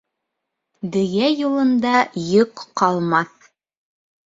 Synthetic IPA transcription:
d̪ɘ̆ɡæjulˠɤ̆nd̪ɑjɤqːɑlˠmɑθ

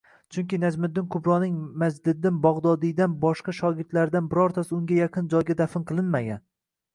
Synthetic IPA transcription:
t͡ʃʰʊŋkʲɪnad͡ʒmɪd̪ːɪnkʰʊbɾɒnɪŋmazd̪ɪd̪ɪnbɒʁd̪ɒd̪ɪd̪anbɒʃqɑʃɒɡʲɪɾd̪laɾd̪anbɪɾɒɾt̪ʰasɪʊŋɡʲajaqʰɨnd͡ʒɒjɡʲad̪afɪnqʰɨlˠɪnmaɡʲa̰n

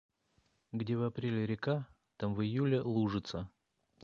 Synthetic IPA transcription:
ɡdʲevɐpɾʲelʲɪɾʲɪka | t̪amvɨjulʲɪlˠuʐɨt̪sə

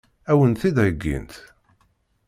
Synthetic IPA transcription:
æwənθid̪æjəɡːḭnt̪

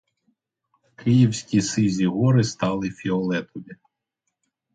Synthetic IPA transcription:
kʰɪjiwsʲkʲisɪzʲiɦɔɾɪst̪ɑlˠɪfʲiɔlˠɛt̪ɔʋʲi

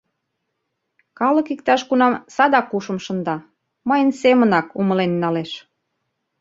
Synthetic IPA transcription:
kɑlə̆kikt̪ɑʃkunɑmsɑd̪ɑkuʃə̆mʃə̆nd̪ɑ | mɤjənsemənɑkuməlenːɑleʃ

